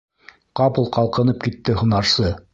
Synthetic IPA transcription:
qɑpɤlˠqɑlˠqɤ̆nɤp̚kit̪ːɘhunɑɾsɤ

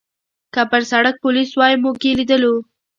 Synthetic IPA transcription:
kapəɾsaɽək̚pʊliswɑjmuɡelid̪əlu

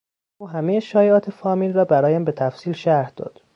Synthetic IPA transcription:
ʔuːɦæmejeʃɒːjeɒːt̪ʰefɒːmiːlrɒːbæɾɒːjæmbet̪ʰæfsiːlʃæɾhd̪ɒ̰ːd̪̥

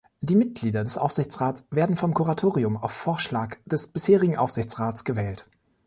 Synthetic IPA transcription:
d̥iːmɪt̚ɡ̥liːdɐdɛsʔaʊfz̥ɪçt͡sʁaːtsv̥eːɐdn̩fɔmkʰuʁatʰoːʁiʊma̰ʊfːoːɐʃlaːkd̥ɛsb̥ɪsheːʁɪɡŋ̩ʔaʊfz̥ɪçt͡sʁaːtt͡sɡ̥əvɛːlt

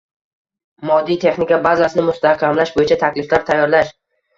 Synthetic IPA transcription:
mɒd̪ːijt̪ʰe̞χnɪkʲabazasɪnɪmʊst̪ahkʰʲamlaʃbojɪt͡ʃʰat̪ʰakʲlɪflaɾt̪ʰajːɒɾlaʃ

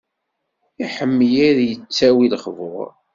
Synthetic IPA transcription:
iħəmːəjæɾjət͡sːæwilχvʊ̰ʁ

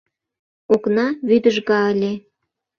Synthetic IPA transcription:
oknɑβyd̪əʒɣɑəlʲe

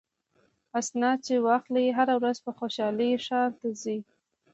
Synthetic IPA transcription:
asnɑd̪̚t͡ʃewɑxliɦaɾawɾazpəxoʃɑliʃɑɾt̪azi

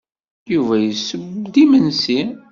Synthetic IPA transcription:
juvæjsəbd̪imənsi

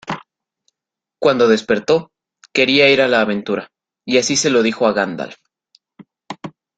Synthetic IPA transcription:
kwand̪o̞ð̞e̞spe̞ɾt̪o̞ | ke̞ɾiaiɾalaːβe̞nt̪uɾa | iasise̞lo̞ð̞ixo̞aɣand̪a̰l

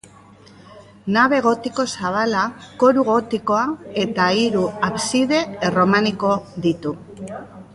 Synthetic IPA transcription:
naβ̞e̞ɣ̞o̞t̪iko̞saβalako̞ɾuɣo̞t̪iko̞ae̞t̪aiɾuaβsiðe̞ro̞maniko̞ðit̪u

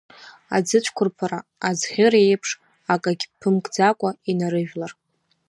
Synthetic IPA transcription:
ad͡zɨt͡ʃʷʰkʷʰʊrpʰaɾaːd͡zχʲɪɾejpʰʂ | akʼaɡʲpʰɨmɡʼd͡zakʷʼainaɾɨʒᶣlar

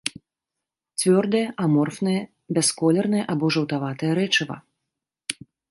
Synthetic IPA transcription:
t͡sʲvʲɔrd̪ɨjɛʔamɔrfnɨjɐ | bʲɛskɔlʲɛrnɨjɛʔabɔʐɐwt̪avat̪ɨjɛɐɾɛt͡ʂɨvɐ̰

